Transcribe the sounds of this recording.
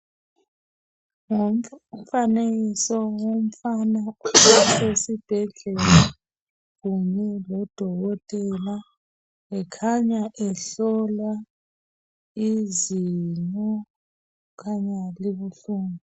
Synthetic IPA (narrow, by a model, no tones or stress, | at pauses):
ŋomfaneɣisɔwom̩fanauasesib̥ʱɛɮɛla | ɣuɲɛlɔd̥ʱɔɣɔtʼɛla | ɛkʰaɲaʔɛɬɔla | izinɔ | kʰaɲaliβuɬuːnu